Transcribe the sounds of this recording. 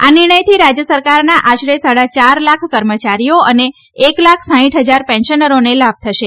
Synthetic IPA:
anɪɾɽ̃əjt̪ʰiɾad͡ʒjəsəɾkaɾnaʔaʃɾesaɽat͡ʃaɾlakʰkəɾmət͡ʃaɾijoəneː | klakʰsãĩʈɦəd͡ʒaɾpɛ̃nʃənəɾonelab̚t̪ʰəʃe

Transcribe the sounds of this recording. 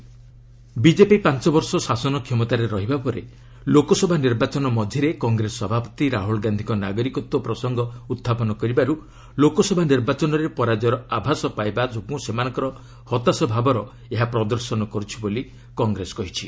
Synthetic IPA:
bid͡ʒepipant͡ʃɔbɔɾsɔsasɔnɔkʰjɔmɔt̪aɾeɾɔɦibapɔɾḛ | lokɔsɔbʱaniɾbat͡ʃɔnɔmɔd̪ʱjiɾekɔŋɡɾesɔbʱapɔ̥t̪iɾaɦulɡand̪ʱikɔnaɡɔɾikɔt̪wɔpɾɔsɔŋɡɔut̪ʰːapɔnɔkɔɾibaɾu | lokɔsɔbʱaniɾbat͡ʃɔnɔɾepɔɾad͡ʒɔɾɔabʱasɔpajbad͡ʒokũsemanɔ̃ŋkɔɾɔ | hɔt̪asɔbʱabɔɾɔ | eɦapɾɔd̪ɔɾsɔnɔkɔɾut͡ʃʰiboli | kɔŋɡɾesɔ̥kɔɦit͡ʃʰi

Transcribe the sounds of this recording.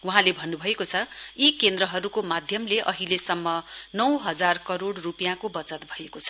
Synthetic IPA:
wuɦãlebʱʌnːubʱʌekot͡sʰʌikend̪rʌɦʌɾukomad̪ʱjʌmleʔʌɦilesʌmːʌnʌwɦʌd͡zarkʌɾoɽrupijãkobʌt͡sʌt̪bʱʌekot͡sʰʌ̥

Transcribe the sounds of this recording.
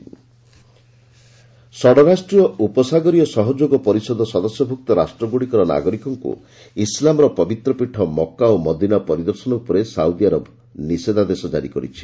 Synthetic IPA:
sɔɽɔɾasʈɾijɔupɔsaɡɔɾijɔsɔɦɔd͡ʒoɡɔpɔɾisɔd̪ʱɔsɔd̪ɔsjɔbʱuk̚t̪ɔɾasʈɾɔɡuɽikɔɾɔna̰ɡɔɾikɔŋkṵ | islamɔɾɔpɔbit̪ɾɔpiʈʰːɔmɔkːaomɔd̪inapɔɾid̪ɔɾsɔnɔupɔɾesawd̪iaɾɔb | nised̪ʱad̪esɔd͡ʒa̰ɾikɔɾḭt͡ʃʰi̥

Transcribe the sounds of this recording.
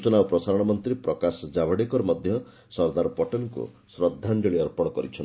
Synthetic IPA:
ut͡ʃɔnawpɾɔsaɾɔɽ̃ɔmɔnt̪ɾipɾɔkasɔd͡ʒabʱɔɽekɔɾɔmɔd̪ʱjɔ | sɔɾd̪aɾɔpɔʈɔnkṵ | sɾɔd̪ʱːand͡ʒɔɭiɔɾpɔɽ̃ɔkɔɾit͡ʃʰɔni

